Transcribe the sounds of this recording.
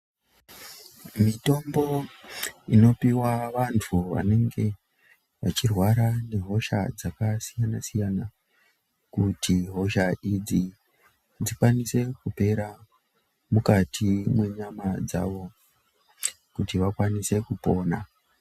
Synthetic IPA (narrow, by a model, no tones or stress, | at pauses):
mito̞mbo̞ | ino̞piwaʋantʰuʋa̰ne̞ŋɡe̞ | ʋa̰t͡ʃirwaɾane̞ɦo̞ʃa̰d͡zakasijanasijana | kutiɦo̞ʃaʔid͡zi | d͡zikwanise̞kupe̞ɾa | mukatʰimwe̞ɲamad͡za̰ʋo̞ | kutiʋakwanise̞kupo̞ːna